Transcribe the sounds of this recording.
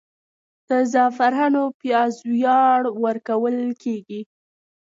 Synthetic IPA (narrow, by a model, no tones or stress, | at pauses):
d̪̥əzɑfaɾanopjɑzwjɑɽwəɾkawəlkʰeɡi